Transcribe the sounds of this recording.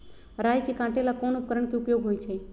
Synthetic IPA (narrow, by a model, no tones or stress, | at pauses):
ɾajkekãʈelakonup̚kəɾəɳkeupjoɡɦojt͡ʃʰe